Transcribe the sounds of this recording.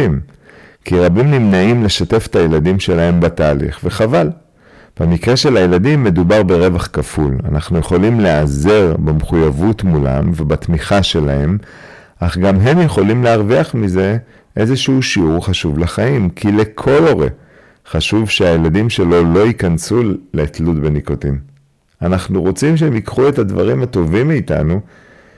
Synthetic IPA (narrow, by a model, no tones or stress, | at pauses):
im | kiʁabimnimnaimle̞ʃate̞fet̪ajeladimʃe̞lae̞mbataːlḭχve̞χaval | b̥e̞mikʁe̞ʃe̞lajeladimːe̞dubaʁbe̞ʁe̞vaχkafula̰naχnuje̞χo̞limle̞ʔaze̞ʁbamχujavutmula̰mvebat̪miχaʃe̞lae̞m | ʔaχɡamɦe̞mjeχo̞limleaʁviaχmize̞ | ʔe̞zeʃuʃiuʁχaʃuvlaχaimkʰile̞kʰo̞lo̞ʁḛ | χaʃuvʃeajeladimʃe̞lo̞lo̞ikansuleːtlutbe̞nikotim | anaχnuʁo̞t͡simʃeemikχue̞thadva̰ʁimat̪o̞vimːiːta̰nu